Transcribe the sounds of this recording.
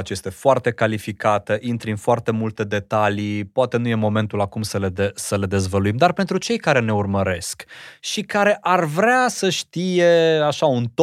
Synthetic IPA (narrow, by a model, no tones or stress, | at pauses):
t͡ʃje̞st̪e̞foart̪e̞kalifikat̪əʔint̪ɾɨnfoart̪e̞mult̪e̞d̪e̞t̪alipoat̪e̞nuje̞mo̞me̞nt̪ulakumsəled̪esəle̞d̪e̞zvəluimd̪arpe̞nt̪ɾut͡ʃe̞jkaɾe̞ne̞urməɾe̞skʃikaɾe̞ʔarvɾeasəʃt̪ije̞aʃaunt̪o